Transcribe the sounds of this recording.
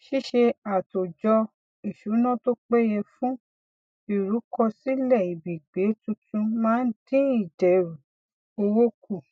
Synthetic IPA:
ʃi˦ʃe˧a˨to˨d͡ʒɔ˧ | i˨ʃu˨˦nã˦˨to˦k͡pɛ˦jɛ˧fũ˦ | i˨ɾu˨˦kɔ˧si˦lɛ˦˨i˨bi˨ɡ͡be˨˦tũ˧tũ˧mãː˦dĩ˦i˦˨d͡ʒɛ˨ɾu˨ | o˧wo˦ku˦˨

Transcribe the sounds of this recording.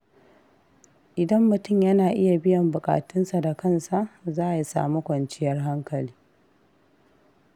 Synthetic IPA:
ʔɪ˨dɐ˦mːʊ˨tʊ˦˨mjɐ˦naː˨ʔɪ˦ja˨bɪ˦jɐ˨mbʊ˨kʼa̰ː˨tʊ˦nsa˨da˨kɐ˦nsa˨ʔzaː˦˨ja˦sa̰ː˨mu˦kʷɐ˨nt͡ʃɪ˦jɐ˦rɦa˦ŋkɐ˨liː˦

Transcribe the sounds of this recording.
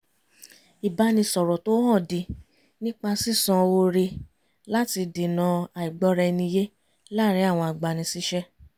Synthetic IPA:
i˨ba˧˦nĩ˧sɔ˨ɾɔ˨to˦hɔ̃˦˨di˨˧ | nĩ˦k͡pa˧si˦˨sɔ̃˧wo˧ɾe˧ | la˦ti˧di˨nã˧a˨i˨ɡ͡bɔ˧˦ɾɛ˧nĩ˧je˦ | la˦˨ɾi˨˦a˦˨w̃ɔ̃˧a˨ɡ͡ba˨nĩ˧si˦ʃɛ˦

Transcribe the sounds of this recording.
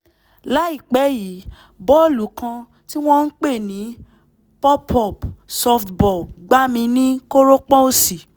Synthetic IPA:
la˨˦i˦˨k͡pɛ˨˦ji˨˦ | bɔ˦o˦˨lu˨˦kã˧ | ti˦w̃ɔ̃˦n̩˦k͡pe˦˨nĩ˨˦ | pɔ˦pɔ˦˨psɔ˧ftbɔ˨ɡ͡ba˦mĩ˧nĩ˦ko˦ɾo˦k͡pɔ˦o˦˨si˨

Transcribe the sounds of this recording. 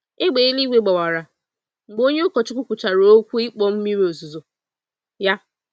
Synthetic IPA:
ɪ˦ɡ͡be˨i˦li˦ɡʷe˨ɡ͡ba˨wa˨ɾa˨ | ŋ͡m̩˨ɡ͡bo˦ɲe˦ʊ˦kɔ˨t͡ʃɪ˦kʷʊ˦kʷʊ˨t͡ʃa˨ɾo˨o˦kʷu˦ɪ˦k͡pɔ˦m̩˦mi˦ɾe˨o˨zu˨zo˨ | ja˦

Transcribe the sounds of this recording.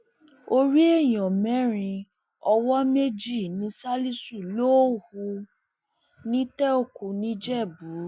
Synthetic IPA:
o˧ɾi˦e˦˨j̃ɔ̃˨mɛ̃˨˦ɾ̃ĩ˧ | ɔ˧wɔ˦me˦d͡ʒi˦˨nĩ˨˧˦sa˦li˦su˦˨lo˦hu˧ | nĩ˦tɛ˦o˦˨ku˧nĩ˦d͡ʒɛ˦˨bu˨˦

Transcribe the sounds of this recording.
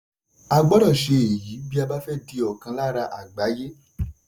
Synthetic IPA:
a˧ɡ͡bɔ˦ɾɔ˦˨ʃe˧e˨jiː˨˦bi˦a˧ba˦fɛ˦di˧ɔ˨kã˧la˦ɾa˧ʔa˨ɡ͡ba˨˦je˦

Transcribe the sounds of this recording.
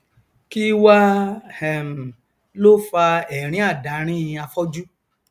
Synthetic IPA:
ki˦wa˦hɛ˨m̩˨ | lo˦fa˧ɛ˨ɾ̃ĩ˨˦a˦˨da˨˦ɾ̃ĩ˦˧a˧fɔ˦d͡ʒu˦

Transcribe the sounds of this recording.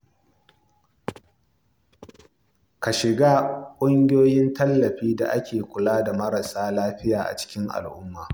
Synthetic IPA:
ka˨ʃɪ˨ɡaː˦kʷʼʊ˦ŋɡʲɪ˦joː˦jɪ˦ntɐ˦lːɐ˨ɸiː˦da̰˨ʔa˦kʲʰeː˨kʷʊ˨laː˦da˨mɐ˦ɾa˨saː˦laː˦ɸɪ˦jaː˨ʔa̰˨t͡ʃɪ̥˦kʲɪ˦ŋʔa̰˨lʔʊ˦mːaː˨

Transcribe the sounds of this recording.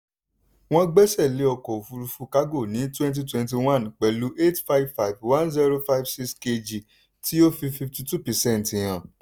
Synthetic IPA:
w̃ɔ̃˦ɡ͡bɛ˦sɛ˦˨le˨˦ɔ˧kɔ˨o˨fu˧ɾu˧fu˧ka˦ɡo˦˨nĩ˨˦twɛ̃˦nt̬i˧twɛ̃˧nt̬i˧wã˦nk͡pɛ˨lu˨˦ʔe˦˨tfa˦bfa˦˨i˨vwã˦nzi˦ɾo˧fa˦jbsi˦kske˧d͡ʒi˨ | ti˦o˦fi˧fi˧fti˧tu˦˨pɛ˨sɛ̃˦˨n˨tĩ˨j̃ã˨

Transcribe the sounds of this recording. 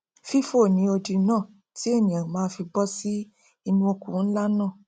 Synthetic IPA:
fi˦fo˦˨nĩ˨˦o˧di˧nãː˦˨ | ti˨˦e˦˨nĩ˨ã˨mãː˦fi˧bɔ˦si˦ | i˧nũ˧o˧kũ˦˨˦la˦nã˦˨

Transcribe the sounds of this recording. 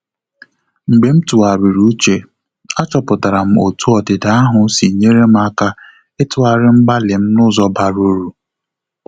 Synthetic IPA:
ŋ͡m̩˨ɡ͡be˨m̩˦tu˨a˨ɾi˨ɾu˦t͡ʃe˨ | a˦t͡ʃɔ˨pʊ˨ta˨ɾa˨m̩˦o̰˨tu˦ɔ˨dɪ˨da˨a˦ɦʊ˨si˨ɲe˦ɾe˦m̩˦a˦ka˦ | ɪ˦tʊ˦a˦ɾɪ˦m̩˦ɡ͡ba˦lɪ˨m̩˦nʊ˦zɔ˦ba˨ɾo˦ɾu˨

